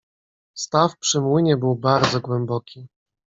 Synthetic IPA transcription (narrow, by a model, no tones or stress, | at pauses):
st̪afpʂɘmwɘɲɛbɘwbaɾd̪zɔɡwɛmbɔkʲʰi